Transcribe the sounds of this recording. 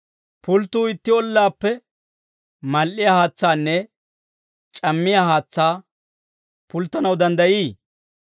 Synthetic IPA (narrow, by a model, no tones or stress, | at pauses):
pʊlt̪ːuːɪt̪ːɪɔlːaːpːɛ | mɐlʔɪjahaːt͡sːaːnːɛ | t͡ʃʼɐmːɪjaɦaːt͡sːaː | pʊlt̪ːɐnɐwd̪ɐnd̪ɐjiː